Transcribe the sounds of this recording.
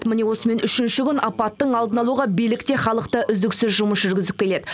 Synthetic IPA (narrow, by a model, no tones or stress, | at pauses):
t̪mɪne̞wo̞səme̞nʏʃɪnʃɪkʲʏnɑpɑt̪ːəɴɑlˠd̪ənɑlˠuʁɑbijlɪkt̪e̞χɑlˠəqt̪əʔʏzd̪ɪksʏzʒʊməsʒʏɾɡʲɪzɪp̚kʲʰe̞le̞d̪ɪ